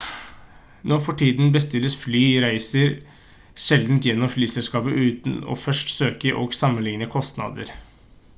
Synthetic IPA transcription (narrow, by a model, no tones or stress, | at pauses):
nɔfɔʈʰiːd̪n̩bəst̪ɪlːəsflyːɾæɪsəɾ | ʃɛld̪n̩t̪jɛnːɔmflyːsɛlskɑːpəʔʉːt̪nɔ̰fœʂʈsøːkəʔo̰ːɡsɑmːənlɪŋnəkʰɔst̪nɑ̰ːd̪ə̰ɾ